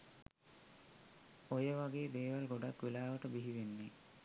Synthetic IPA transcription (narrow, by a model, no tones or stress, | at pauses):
ojəʋaɡeːd̪eːʋalɡoɖakːʋelaːʋəʈəbiɦiʋenːe